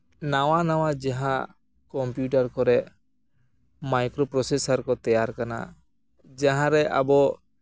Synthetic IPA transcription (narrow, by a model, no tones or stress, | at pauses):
nawanawad͡ʒaɦã | kɔmpjuʈaɾkɔɾɛʔ | majkɾɔpɾɔsesaɾkɔt̪ɛjaɾkana̰ | d͡ʒaɦãɾɛʔa̰bɔ